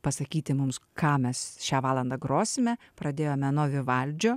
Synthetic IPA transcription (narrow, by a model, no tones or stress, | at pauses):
pɐsɐkʲiːt̪ʲɪmʊmskɑːmʲɛsʃʲæːʋɑːlˠɐnd̪ɐɡɾoːsʲɪmʲɛpɾɐd̪ʲeːjoːmʲɛnoːʋʲɪʋɐlʲd͡ʒʲoː